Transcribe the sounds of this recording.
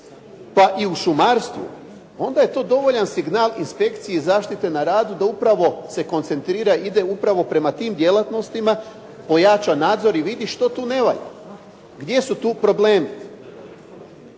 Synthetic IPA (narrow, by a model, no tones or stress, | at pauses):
paʔiuʃumaːɾst̪ʋṵ | o̞nd̪aje̞t̪o̞ːd̪o̞ʋo̞ʎansiɡnaːlinspe̞kt̪sijezaːʃt̪it̪e̞naɾaːd̪ud̪aupɾaʋo̞se̞ko̞nt̪se̞nt̪ɾiːɾaid̪e̞upɾaʋo̞pɾe̞mat̪iːmd̪je̞lat̪no̞st̪ima | po̞jat͡ʃanaːd̪zo̞ɾiʋid̪iʃt̪o̞t̪uːne̞ʋaʎa̰ | ɡd̪je̞sut̪uːpɾo̞bleːmi